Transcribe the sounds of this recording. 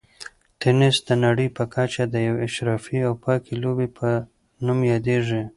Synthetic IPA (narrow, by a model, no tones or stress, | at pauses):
t̪enɪsd̪ənaɽəjpəkat͡ʃad̪əjawɪʃɾɑfiawpɑkilobipʰə | numjɑd̪eʐi